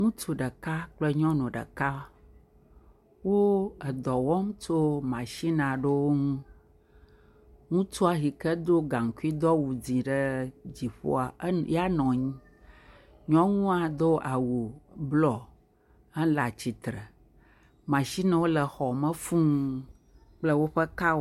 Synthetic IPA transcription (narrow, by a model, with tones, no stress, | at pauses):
ŋũ˦t͡ʃu˨ɖə˨ka˦k͡plə˦ɲɔ̃˦nũ˨ɖə̰˨ka˦ | wo˦ə˨d̪ɔ˨wɔ˦m˦t͡ʃo˦mã˨ʃi˦nã˨ɖə˦wo˦ŋũ˦ | ŋũ˦t͡ʃu˦a˨ɦi˨kə˦d̪o˦ɡã˨ŋ˨ku˦i˦d̪ɔ˦wu˨d͡zĩ˨ɖə˦d͡ʑi˨ɸo̰˦a˨˦ja˦nɔ̃˨ɲĩ˦ | ɲɔ̃˦ŋũ˦a˨d̪o˦ʔa˨wo˨blɔ˨ | ɛ˦la˨t͡ɕi˨t̪ɾə˨ | mã˨ʃi˦nã˦wo˦lə˨xɔ˨mə̃˦fũ˦ŋ˦ | k͡plə˦wo˦ɸə˦ka˦